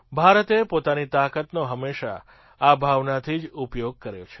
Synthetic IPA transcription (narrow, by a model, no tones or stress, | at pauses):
bʱaɾət̪epot̪anit̪akət̪noɦəmːeʃa̰ | abʱaʋnat̪ʰid͡ʒupjoɡ̚kəɾjot͡ʃʰe̥